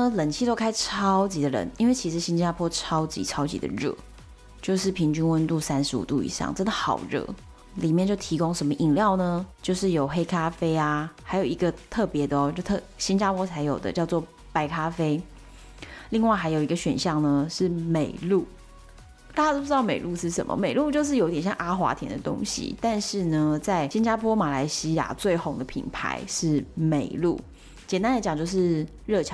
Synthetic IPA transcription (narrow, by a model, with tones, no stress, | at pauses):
ə˧lə˨˩nt͡ɕʰi˥˧t̪o˥ʊkʰa˥ɪʈ͡ʂʰɑ˥ʊt͡ɕi˧˥d̪ə˧ɻə̰˧˦nḭ˧˥nwe˥˩ɪt͡ɕʰi˧˥ʂɻ̩˧˥ɕi˥nt͡ɕa˥pʰwɔ˥ʈ͡ʂʰɑ˥ʊt͡ɕḭ˧˥ʈ͡ʂʰɑ˥ʊt͡ɕḭ˧˥d̪ə̰˧ɻə̰˥˩ | t͡ɕjo˥˧ʊʂɻ̩˥˩pʰi˧˥ŋt͡ɕy˥nwə˥nt̪u˥˧˩sa˥nʂɻ̩˧˥ṵ˨˩t̪ṵ˥˩ḭ˧˥˦ɕɑ̰˥˩ŋʈ͡ʂə˥nd̪ə˨xɑ̰˨˩ʊɻə̰˥˩ | li˨˩mjnt͡ɕjo˥˩ʊt̪ʰi˧˥ko˥ŋʂə˧˥nmə˧˨ʔi˨˩ŋljɑ˥˩ʊnə˧t͡ɕjo˥˧ʊʂɻ̩˥˩jo˨˩ʊxe˥ɪkʰa˥fe˥ɪa˨xa˧˥ɪjo˨˩ʊi˧˦ɡə˧t̪ʰɤ˥˩pjɛ˨˧˥d̪ə˧ɔ˨˦t͡ɕjo˥˩ʊt̪ʰɤ˥˩ɕi˥nt͡ɕa˥pʰwɔ˥t͡sʰa˧ɪjo˨˩ʊd̪ə̰˦t͡ɕjɑ˥˧ʊt͡swɔ˥˩ | pa˧˩ɪkʰa˥fe˥ɪ | li˥˧ŋwa˥˩ɪxa˧˥ɪjo˨˩ʊi˧˥ɡə˧ɕɥɛ̰˨˩nɕjɑ˥˩ŋnə˦ʂɻ̩˥˩me˨˩ɪlu˥˩ | t̪a˥˩t͡ɕa˧˥o˥˧pu˧ɻ̩˥ɑ˥˩ʊme˨˩ɪlu˥˧ʂɻ̩˥˩ʂə̰˨˩mʔə̰˦me˨˩lu˥˧t͡ɕjo˥˧ʊʂ̬ɻ̩˥˩jo˧˥ʊt̪jɛ˨˩nɕjɑ̰˥˨ŋʔa˥xwa̰˧˥t̪ʰjɛ˧˥nd̪ə̰˧t̪ʊ̰˥ŋɕḭ˨˩t̪a˥˧nʂɻ̩˥˩nə˩t͡sa˥˩ɪɕi˥nt͡ɕja˥pʰwɔ˥ma˨˩la˧˥ɪɕi˥ja̰˨˩t͡swe˥˩ɪxo˧˥ŋd̪ə˨pʰḭ˨˩npʰa̰˧˥ɪʂɻ̩˥˩me˨˩ɪlṵ˥˩ | t͡ɕjɛ˨˩nt̪a˥nd̪ə˧t͡ɕɑ˨˩ŋt͡ɕjo˥˧ʊʂ̬ɻ̩˥˧ | ɻɤ˥˩t͡ɕʰ